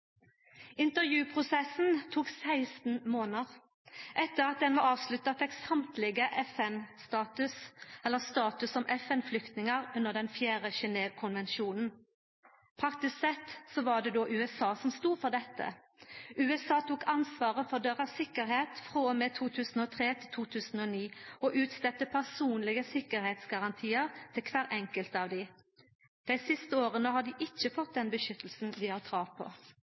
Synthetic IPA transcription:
ɪnt̪əʁjʉːpʰʁʊsɛsn̩t̪ʰuːksæɪst̪n̩moːnəʁ | ʔɛt̪ːəʁɑt̪̚d̪ɛnʋɑɑːʋslʉt̪ːɑt̪ʰɛksɑmt̪lɪɡəʔɛfɛnst̪ɑːt̪ʉsɛlːəʁst̪ɑːt̪ʉsɔmʔɛfɛnflʏkt̪nɪŋəʁʉnəʁd̪ɛnfjæːʁəʃɛneːʋkʰʊnʋɛnʃuːnn̩ | pʰʁɑk̚t̪ɪsksɛt̪sɔʋɑɖ̪ɛd̪oːʔʉːɛsɑːsɔmst̪uːfɔʁd̪ɛt̪ːə̰ | ʉːɛsɑːt̪ʰuːkʰɑnsʋɑːʁəfɔʁd̪øʁɑʋsɪkəɾheːt̪fʁoːmɛt̪ʰuːt̪ʰʉːsn̩ɔːt̪ʰʁeːt̪ʰɪlt̪ʰuːt̪ʰʉːsn̩ɔniːɔʔʉːt̪st̪ɛt̪ːəpʰæʁsuːnlɪɡəsɪkəɾheːt̪sɡɑʁɑnt̪ʰiːəʁt̪ʰɪlkʰʋæːʁʔɛŋkəlt̪ɑːʋd̪ɪ | d̪̥ɛɪsɪst̪əoːʁənəhɑd̪ɪʔɪt͡ʃːəfɔt̪̚d̪ɛnbəʃʏt̪l̩sn̩d̪ɪhɑʁt̪ʰʁɑːʋpʰɔ̰

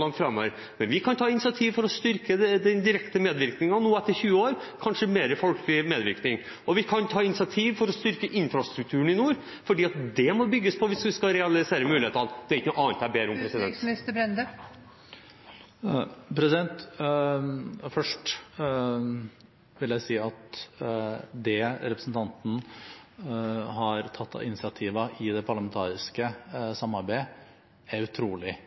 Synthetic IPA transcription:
lɑŋt̪fɾɑmːəɾ | mɛnʋɪkʰɑnt̪ʰɑːɪnɪsɪɑt̪ʰiːʋfɔɾɔst̪ʏɾkəɛd̪ɛnd̪ɪɾɛkt̪əmeːd̪ʋɪɾknɪŋɑnuːɛt̪ːəɾçʉːəoːɾkʰɑnʂəmeːɾəfɔlklɪmeːd̪ʋɪ̰ɾknɪŋ | ɔʋɪkʰɑnt̪ʰɑːɪnɪsɪɑt̪ʰiːʋfɔɾɔst̪ʏɾkəʔɪnfɾɑst̪ɾʉk̚t̪ʰʉːəɳɪnuːɾ | fɔɖiːɑt̪̚d̪ɛmɔbʏɡːəspʰɔʋɪsʋɪskɑɾɛɑlɪseːɾəmʉːɪeːt̪ɑnd̪̥ɛæɪkːənuːʔɑːnt̪æɾbeːɾəʊmppɾɛsɪd̪ɛ̰nt̪ɪst̪əbɾɛnd̪ə | pʰɾɛsɪd̪ɛnt̪ | fœʂʈ | ʋɪljæɪsiːɑt̪ | d̪ɛɾɛpɾəsn̩t̪ʰɑnt̪n̩ | ɦɑɾt̪ʰɑt̪ʰːɑ̰ʋɪnɪsɪɑt̪ʰiːʋəʔɪd̪ɛpʰɑɾɭɑmɛnt̪ʰɑːɾɪskəsɑmːɑɾbæɪ | æɾʉt̪ʰɾuːlɪ

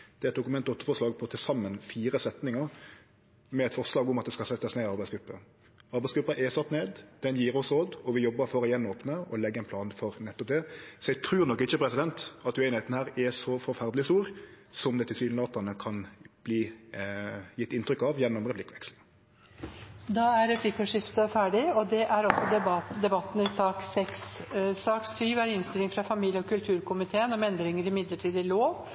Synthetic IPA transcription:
d̪̥ɛɾɛt̪̚d̪ʊkʉmɛnt̪ɔt̪ːəfɔʂlɑːɡpʰɔt̪ʰɪlsɑmːənfiːɾəsɛt̪nɪŋəɾ | mɛɛt̪fɔʁslɑːɡʊmɑt̪̚d̪ɛskɑsɛɑsneːɑɾbæɪsɡʉpːə | ɑɾbæɪsɡɾʉpːəʔɛsɑt̪ːneːd̪d̪̥ɛnjiːɾɔsɾoːd̪ɔʋɪjɔbːəɾfɔɾɔjɛnːoːpnəɔlɛɡːəɛɪnpʰlɑːnfɔɾnɛt̪ːɔp̚d̪ɛsɔɛɡt̪ʰɾʉːɾnɔkːɪçəpʰɾɛsɪd̪ɛnt̪ɑt̪ʉɛɪnheɛt̪nəhæːɾɛsɔfɔɾfæɾd̪lɪst̪uːɾ | sɔmd̪ɛt̪ːɪsyːllɑːt̪ənəkʰɑnb̥liː | jɪt̪ːɪnt̪ɾʏkɑʋjɛnːʊmɾɛpʰlɪkːʋɛksl̩ | d̪ɑæɾɾɛpʰlɪkːəʂɪft̪əfæːɖɪɔd̪ɛʔæɾɔsɔd̪ɛd̪ɛbɑt̪ːn̩ɪsɑːksɛkssɑːksyːʋæɾɪnst̪ɪlɪŋfɾɑfɑmiːljəɔkʉlt̪ʰʉːɾkʰʊmɪt̪ʰeːənɔmɛnd̪ɾɪŋəɾɪmɪd̪ləʈʰiːd̪ɪloːʋ

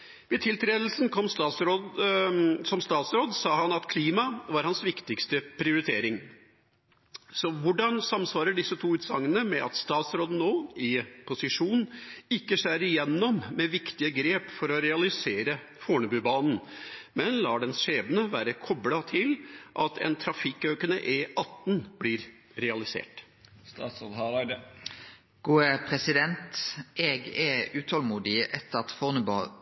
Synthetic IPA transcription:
ʋɛt̪ʰɪlt̪ʰɾeːd̪əl̩snkʰɔmːst̪ɑːt̪sɾoːd̪ | sɔmst̪ɑːt̪sɾoːd̪sɑːɦɑnɑt̪kʰliːmɑʋɑɾhɑnsʋɪkt̪ɪkst̪əpʰɾɪʊɾɪt̪ʰeːɾɪŋ | sɔʋʊɖɑnsɑmːsʋɑːɾəɖɪsːət̪ʰuːʉːt̪sɑŋːənəmɛʔɑ̰t̪st̪ɑːt̪sɾoːd̪n̩oːɪpʰʊsɪʂuːnɪkːəʂæːɾɪjɛnːɔmmɛʋɪkt̪ɪəɡɾeːpfɔɾɔɾɛɑlɪseːɾə | foːɳəbʉːbɑːnn̩mɛnlɑːɖɛnʂeːbənəʋæːɾəkʰɔblɑt̪ʰɪlʔɑt̪ʰɛ̰nt̪ʰɾɑfɪkːøʏkənə̰ʔɛʔɑt̪ːn̩blɪːɾ | ɾɛɑlɪsḛːʈ | st̪ɑːt̪sɾoːd̪ɑ | ɡ̥uːəpʰʁɛsɪd̪ɛnt̪ʔɛɡɛʉːt̪ʰɔlmuːd̪ɪʔɛt̪ːəɑt̪fɔʁnəbɑ

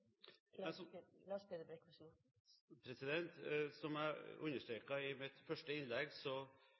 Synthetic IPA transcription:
ɛsɔlɑspʰed̪əbɾɛkɔs | pʰɾɛsɪd̪ɛnt̪sɔmæʉ̰nːəʂʈɾeːkɑɪmɪt̪fœʂʈəɪnlɛɡsɔ

